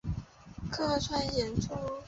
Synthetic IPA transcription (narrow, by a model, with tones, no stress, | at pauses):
kʰɤ˥˧˥ʈ͡ʂʰwa˥njɛ˧˥nʈ͡ʂu˥